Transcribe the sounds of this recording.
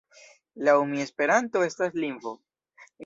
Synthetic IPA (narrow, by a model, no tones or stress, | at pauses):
laumie̞spe̞ɾanto̞e̞stasliɱvo